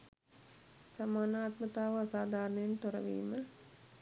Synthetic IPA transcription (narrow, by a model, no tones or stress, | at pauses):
samaːnaːt̪mət̪aːʋəasaːd̪ʱaːɾnəjent̪oɾə̰ʋḭːmə